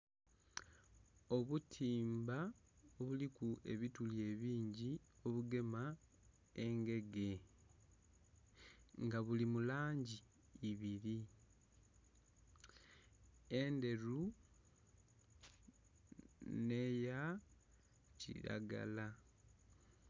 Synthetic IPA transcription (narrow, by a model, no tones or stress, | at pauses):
o̞βutʰiːmbaoβulikue̞̰βitulje̞βiːɲɟio̞βuɡe̞ma | e̞ŋɡe̞ɡe̞ | ŋɡaβulimulaːɲɟiː | βiɾi | ende̞ɾu | neja | cḭɾa̰ɡa̰la